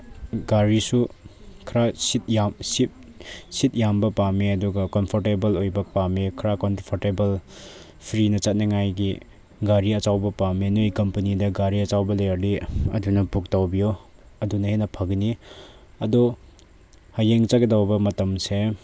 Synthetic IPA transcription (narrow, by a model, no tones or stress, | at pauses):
ɡaɾisukʰɾasit̚jamsit̚sit̚jambɐpamiɐduɡɐkɔnpʰɔɾtebɐlojbɐpamikʰɾakɔnpʰoɾtebɐl | pʰɾinɐt͡ʃat̚nɐŋajɡi | ɡaɾiɐt͡ʃawbɐpaminujkɐmpɐnidɐɡaɾiɐt͡ʃawbɐlejɐɾdiɐ̰dunɐbuk̚tawbijo | ɐdunɐhenɐpʰɐɡni | ɐdɔ | hajeŋt͡ʃakdawbɐmɐtɐmse